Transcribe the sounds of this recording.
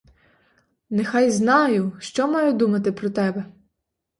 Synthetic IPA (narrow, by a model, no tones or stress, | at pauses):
nɛxɑjznɑjʊʃt͡ʃɔmɑjʊd̪umɐt̪ɪpɾɔt̪ɛbɛ